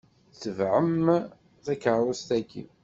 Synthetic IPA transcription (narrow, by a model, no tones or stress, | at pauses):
θəvʕəm | θækəɾˤust̪ækːḭ